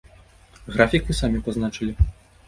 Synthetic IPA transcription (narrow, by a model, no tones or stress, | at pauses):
ɣɾafʲikvɨsamʲipaznat͡ʂɨlʲi